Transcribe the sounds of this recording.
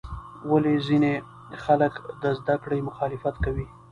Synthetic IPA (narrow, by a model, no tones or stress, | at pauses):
walezine | xaləkd̪əzd̪akɽəjmʊxɑlɪfat̪kawi